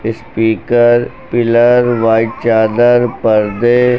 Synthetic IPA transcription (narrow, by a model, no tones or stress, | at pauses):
ɪspiːkəɾ | pɪləɾʋaːɪʈt͡ʃaːd̪əɾpəɾd̪e